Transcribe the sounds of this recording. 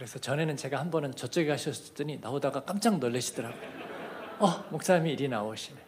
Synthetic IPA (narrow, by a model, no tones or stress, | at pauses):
kɯɾe̞sʰʌt͡ɕʌne̞nɯnt͡ɕe̞ɡahanbʌnɯnt͡ɕʌt͡ɕ͈ʌɡeɦaɕʰʌt͈ɯɲinaodaɡak͈amt͡ɕ͈aŋnʌʎːeɕʰid̥ʌɾaɡo | ʌmok̚s͈amiːɾinaoɕʰine